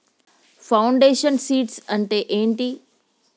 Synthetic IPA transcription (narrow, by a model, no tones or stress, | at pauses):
faʊ̃ɳɖeːʃənsiːʈsɐ̃ɳʈeʔẽːɳʈiː